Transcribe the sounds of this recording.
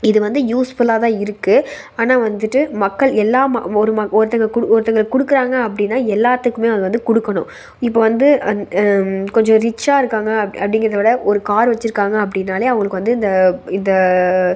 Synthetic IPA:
ɪðɯʋɐnd̪ɯjuːsfɯlaːt̪ãːɪɾɯkːɯ | aːnaːʋɐnd̪ɯʈːɯmɐkːɐɭɛlːaːm̰ɔɾɯmɐɔɾɯt̪ːɐŋɡɐkʊɽɔɾɯt̪ːɐŋɡɐɭkːʊɽɯkːɯɾaːŋɡɐːpːɐɽɪnːaːɛlːaːt̪ːɯkːɯmeːɐðɯʋɐnd̪ɯkʊɽɯkːɐɳʊ̰̃ | ɪp̬ːoːʋɐnd̪ɯ | kɔɲd͡ʒɔ̃ɾɪt͡ʃːaːɪɾɯkːaːŋɡɐɐpːɐɽɪŋɡɪɾɐðɐʋɪɽɐʔɔɾɯkaːɾʋɐt͡ʃːɪɾɯkːaːŋɡɐːp̬ːɐɽɪnːaːleːɐʋɐŋɡɐɭɯkːɯʋɐnd̪ɯɪnd̪ɐɪnd̪ɐ

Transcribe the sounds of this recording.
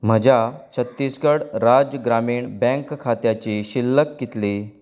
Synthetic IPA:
m̤əd͡ʑat͡ɕʰət̪ːiskəɽɾad͡ʑəɡɾamiːɳbɛ̃ŋkʰːat̪jat͡ɕiːɕilːəkːit̪liː

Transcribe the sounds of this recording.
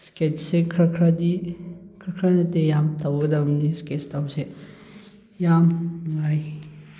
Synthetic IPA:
sket͡ʃsekʰɾakʰɾadikʰɾɐkʰɾanɐtejamtawɡɐdamnisket͡ʃtawse | jamŋaj

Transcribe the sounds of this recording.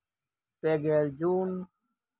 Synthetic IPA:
peɡeːld͡ʑuːn

